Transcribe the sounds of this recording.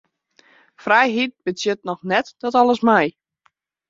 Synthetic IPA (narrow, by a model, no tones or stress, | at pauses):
frajɦit̚bətjət̚nɔxnɛtd̥ɔtɔləsmɛj